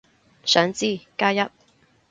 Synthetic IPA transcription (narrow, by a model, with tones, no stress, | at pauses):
sœː˨˥ŋt͡siː˥˩kaː˥jɐ˥t̚